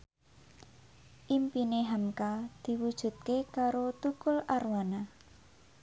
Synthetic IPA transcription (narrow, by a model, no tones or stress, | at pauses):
ʔimpineɦamkad̪̥i̤wud̥ʒ̥ṳt̪̚kekaɾot̪ukʊlarwana